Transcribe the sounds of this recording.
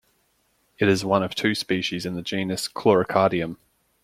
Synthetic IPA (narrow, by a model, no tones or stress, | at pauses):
ɪtɪzwʌ̃nəv̥tʰʉːspiˑʃizɪ̃nðəd͡ʒĩːnəskʰl̥ɔɹəkʰɑːɾiə̃m